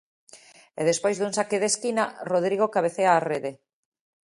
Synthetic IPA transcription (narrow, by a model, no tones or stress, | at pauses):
eðespojzðuŋsakeðeskinaroð̞ɾiɣ̞okaβ̞eθeaːreðe